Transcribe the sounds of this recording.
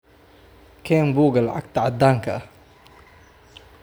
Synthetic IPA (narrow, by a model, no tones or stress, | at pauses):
kʰɛːmbuːɡɐlʕa̰k̚t̪aʕad̪ːaːŋkʰɐɐ